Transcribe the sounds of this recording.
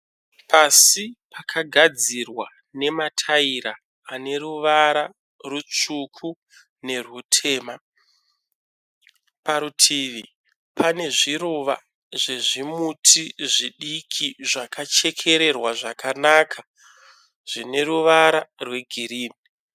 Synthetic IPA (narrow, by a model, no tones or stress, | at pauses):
pʰasipakʰaɡʱad͡zirwa | ne̞matʰaiɾaː | ne̞ɾuʋaɾa | rut͡ʂukʰu | ne̞rutʰe̞ːma | paɾutʰiʋi | pʰane̞ʐiɾuʋa̰ | ʐe̞ʐimutʰiʐiɗikʰiʐakʰat͡ʃe̞kʰe̞ɾe̞rwaʐakanakʰa | ʐ̥ine̞ɾuʋaɾarwe̞ɡʱiɾiːni